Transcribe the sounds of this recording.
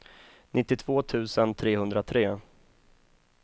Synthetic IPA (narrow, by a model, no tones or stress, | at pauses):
nʔɪt̪ːɪt̪ʰv̥oːt̪ʰʉ̟ːsənt̪ʰɾeːhɵnd̪ɾat̪ʰɾeː